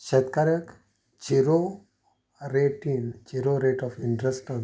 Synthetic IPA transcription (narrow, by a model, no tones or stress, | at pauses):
ɕet̪kaɾjək | t͡ɕiɾo | ɾeʈint͡ɕiɾoɾeʈɔfiɳʈɾesʈən